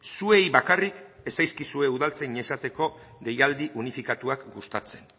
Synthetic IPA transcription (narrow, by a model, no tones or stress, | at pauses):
sue̞jβakarik | e̞sajskisue̞uð̞alt͡seiɲe̞sat̪e̞ko̞ðe̞jald̪iʔunifikat̪uakɡust̪at͡se̞n